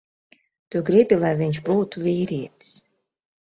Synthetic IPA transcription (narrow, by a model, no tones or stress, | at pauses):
t̪uɡɾibʲilˠajviɲʲʃbuːt̪uvʲiːɾiɛt̪i̥s